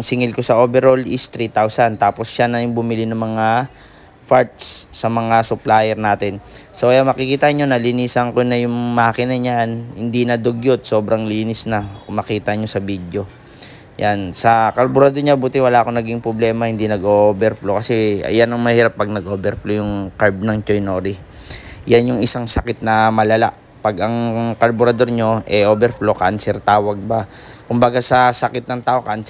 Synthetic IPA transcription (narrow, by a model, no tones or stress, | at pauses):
ŋsɪŋɪlko̞sɐʔoːbɛɾolist̪ɾit̪awsant̪aːpo̞sʃanɐjʊŋbʊmɪlinɐŋmɐŋa | faɹt̪̚sːɐmɐŋasʊplajɛɾnaːt̪ɛnsojɐŋmɐkɪkiːt̪ɐɲo̞nɐlɪniːsɐŋkonɐjʊŋmɐaːkɪnɐɲanhɪnd̪inɐd̪oɡjot̪̚so̞ːbɾɐŋliːnɪsnɐkʊŋmɐkiːt̪ɐɲo̞sɐbid̪jo̞ | jansɐkɐɾbʊɾɐd̪oɾɲabuːt̪ɪwɐlaːʔɐko̞nɐɡiŋpɾoblɛːmɐhɪnd̪inɐɡʔoʔbɛɾplokɐsɛɐ̰janɐŋmɐhiːɾapːɐɡ̚nɐɡʔoːbɛɾplojʊŋkaɹb̚nɐŋt͡ʃojnoːɾi | janjʊŋɪsaŋsɐkɪt̪̚nɐmɐlɐla̰ʔ | pɐɡʔɐŋkɐɾbʊɾɐd̪o̞ɾɲoʔɛʔoːbɛɾplo̞ka̰nsɛɾt̪aːwɐɡ̚bɐ | kʊmbaɡasɐsɐkɪt̪̚nɐŋt̪aːʔo̞kan